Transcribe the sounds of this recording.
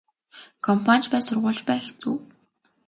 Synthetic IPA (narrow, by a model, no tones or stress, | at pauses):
kʰɔmpʰant͡ɕpæːsʊrʁʊːɮt͡ɕpæːxet͡sṵː